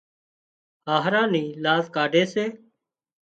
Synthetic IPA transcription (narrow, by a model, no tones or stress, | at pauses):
haːɦɾãːniːlaːzkaːɖʱeːseː